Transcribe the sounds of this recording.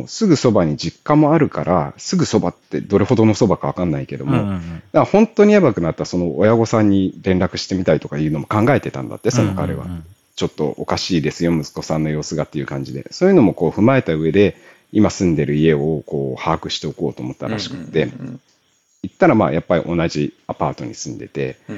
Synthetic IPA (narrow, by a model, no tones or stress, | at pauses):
sɨɡɯ̟so̞baɲ̟iʑikːamo̞aɾɯ̟kaɾʔasɨɡɯ̟so̞bat̪ːe̞̰d̪o̞ɾe̞ho̞d̪o̞no̞so̞bakaβ̞akãnːaike̞d̪o̞̰mo̞d̪ahõ̞nt̪ːo̞ɲ̟iabakɯ̟nat̪ːaso̞no̞ojaɡo̞sãɲ̟ːiɾẽ̞nɾakɯ̟ɕi̥t̪e̞mʲit̪ait̪o̞kajɯ̟ːno̞mo̞kãŋɡae̞t̪e̞t̪ã̰nd̪a̰t̪ːe̞so̞no̞kaɾe̞̰βa̰ | t͡ɕo̞t̪ːo̞̰ʔokaɕiːd̪e̞sɨjo̞mɯ̟zɨ̥ko̞sãnːo̞jo̞ːsɨɡat̪ːe̞jɯ̟kãɲ̟d͡ʑid̪e̞̰so̞ːjɯ̟no̞mo̞ko̞ːɸɯ̟mae̞t̪aɯ̟e̞d̪e̞ | imasɨ̃nd̪e̞ɾɯ̟ie̞o̞ko̞ːhaːkɯ̟ɕi̥t̪e̞o̞ko̞ːt̪o̞ːmo̞t̪ːa̰ɾa̰ɕi̥kɯ̟̥t̪ːe̞ | it̪ːaɾama̰ːjapːaɾʲḭʔo̞naʑiapaːt̪o̞̰ɲ̟isɨ̃nd̪e̞̰t̪e̞̰